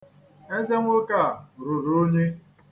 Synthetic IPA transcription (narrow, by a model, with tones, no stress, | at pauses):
e˦ze˦ŋʷ˦o˦ka˦˨ɾʊ˨ɾo˦ɲe˦